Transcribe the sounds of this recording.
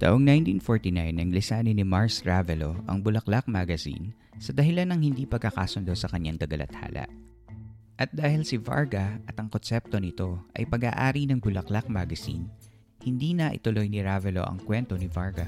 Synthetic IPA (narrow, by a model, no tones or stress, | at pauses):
t̪a̰ːʔoŋnajnt̪infoɹt̪inajnːɐŋlɪsaːnɪnɪmaɹsɹavɛlo̞ʔɐ̰ŋbʊlɐklak̚maɡɐsḭn | sɐd̪ɐɦɪlanːɐŋhɪnd̪iːpɐɡ̚kɐka̰ːsond̪owsɐkɐɲːaŋd̪ɐɡɐlʔɐ̰t̪ha̰ːlɐ̰ʔ | ʔɐt̪̚d̪aːhɪlsɪva̰ɹɡɐʔɐt̪ɐŋkonsɛp̚t̪o̞nɪt̪o̞ʔɐ̰jpɐɡaːʔaːɾinɐŋbʊlɐklak̚maɡɐsḭn | hɪnd̪iːnɐʔɪ̰t̪ʊlo̞jnɪɹavɛlo̰ʔɐ̰ŋkwɛnt̪onɪvaɹɡɐ̰